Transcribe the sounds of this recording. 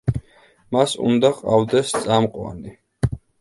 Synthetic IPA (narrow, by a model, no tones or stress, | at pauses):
masṵnd̪aqʼavd̪ɛst̪sʼamqʼwa̰ni